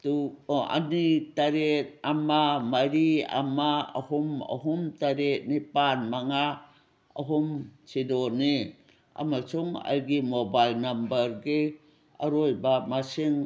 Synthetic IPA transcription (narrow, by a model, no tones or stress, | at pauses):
tua̰nitaɾet̚amamaɾia̰maa̰huma̰ɦumtaɾet̚nipanmaŋa | aɦumt͡ʃidoni | a̰masuŋa̰jɡimobajlnambəɾɡi | aɾojbamasiŋ